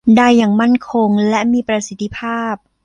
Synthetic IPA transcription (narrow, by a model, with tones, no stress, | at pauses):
da˧jːaː˨˩ŋma˥˩nkʰo˧ŋlɛ˦˥ʔmiː˧pɾa˧si˦t̪ʰːi˧˥pʰaː˥˩p̚